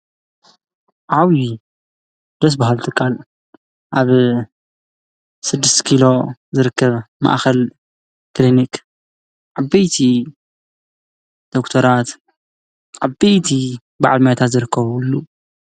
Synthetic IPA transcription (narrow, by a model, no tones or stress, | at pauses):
ʕawi | d̪ɐs̬baɦalt̪ʰɨkʰʼːal | ʔaβ | sɨd̪ːɨst̪kʰilo̞zɨɾɨkːɐβma̰ʔxɐl | klinik | ʕabɐjt̪ʰi | d̪̥o̞kt̪ʰɐɾat̪ | ʕabɐjt̪ʰi | baʕalmajat̪ʰat̪zɨɾɨkʰːɐβulːu